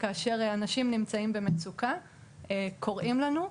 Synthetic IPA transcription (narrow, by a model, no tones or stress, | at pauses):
kaːʃe̞ʁanaʃimnimt͡saimbe̞met͡suka | ekʰo̞ʁʔimlanu